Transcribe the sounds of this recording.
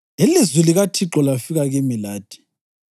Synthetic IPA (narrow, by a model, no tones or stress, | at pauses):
ilizwiliɣatʰiǁɔlafiɣaɣemilaːd̥ʱi̥